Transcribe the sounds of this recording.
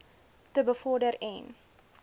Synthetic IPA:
təbəfɔrdəɾɛn

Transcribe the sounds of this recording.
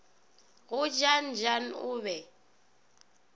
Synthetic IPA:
ɣʊd͡ʒan̩d͡ʒan̩ʊβɛ

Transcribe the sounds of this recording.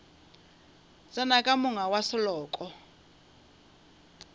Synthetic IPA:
zanakʼamʊŋawasɔlɔːkʼɔ

